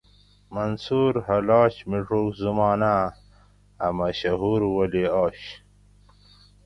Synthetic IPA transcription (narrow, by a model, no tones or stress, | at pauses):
mɐnsuːɾhɐlaːɕmiʈ͡ʂuːkzumɑːnaː | mɐɕɐɦuːɾwɐleaːɕ